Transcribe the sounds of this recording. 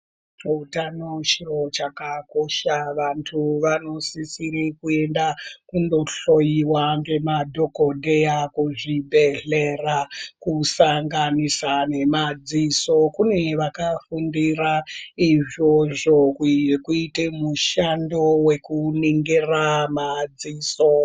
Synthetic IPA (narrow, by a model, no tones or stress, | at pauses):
utanot͡ʃirot͡ʃakakoʃaʋantʰuʋano̞sisiɾikue̞ndakundo̞ɬo̞jiwaŋɡe̞madʱo̞kodʱe̞jakuʐibʱe̞ɮe̞rakusaŋɡanisane̞mad͡ziso̞kune̞ʋakafundiraiʐo̞ʐo̞kkuitemuʃando̞we̞kuniŋɡeramad͡ziːso